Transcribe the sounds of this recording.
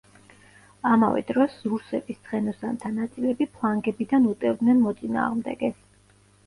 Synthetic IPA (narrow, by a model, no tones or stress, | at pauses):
ama̰vɛ̰d̪ɾɔszuɾsɛbist̪sʰχɛnɔsant̪ʰanat̪sʼilɛbipʰlˠaŋɡɛbid̪anut̪ʼɛvd̪nɛnmɔt̪sʼina̰ːʁmd̪ɛ̰ɡɛs